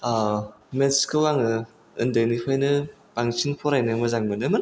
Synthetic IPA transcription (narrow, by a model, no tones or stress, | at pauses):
a | menskʰɯwaŋɯ | ɯ̰ndɯnipʰajnɯ | paŋt͡ʃʰiŋpʰɔɾajnɯmɐzaŋmɯnɯmɯn